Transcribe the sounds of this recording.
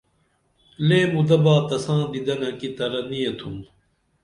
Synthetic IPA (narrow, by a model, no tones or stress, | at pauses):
leːmud̪ɐbaːt̪ɐsãːd̪id̪ɐnɐkit̪ɐɾɐnijɐt̪ʰum